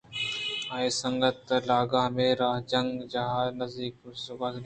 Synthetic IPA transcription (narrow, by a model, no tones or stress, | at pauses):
aːesə̃ŋɡət̪laːɡãːmẽɾaːɦd͡ʒɐŋɡd͡ʒaɦaːnɐzd̪iːksʊbat̪ɡ